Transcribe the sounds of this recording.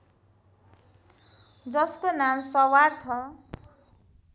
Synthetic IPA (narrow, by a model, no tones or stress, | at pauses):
d͡zʌskonamsʌwart͡sʰʌ